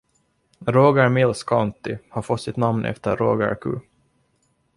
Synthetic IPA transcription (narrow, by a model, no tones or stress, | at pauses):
ɾoːɡəɾmɪlskʰant̪ɪhaɾfɔt̪ːsɪt̪namnʔɛ̰ft̪əɾːoːɡə̰ɾkʰʉ̰ː